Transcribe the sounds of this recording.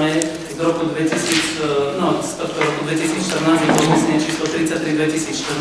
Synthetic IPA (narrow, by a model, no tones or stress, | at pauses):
ɛ | zd̪ɔɾɔkud̪ʋɛcisiːt͡snɔst̪ɔt̪kɔɾɔkud̪ʋɛcisiːt͡sʃt̪əɾnaːzɛbɔmisɛɲɛt͡ʃiːslɔt̪ɾit͡sːac̚t̪ɾid̪ʋɛcisiːt͡sʃt̪ər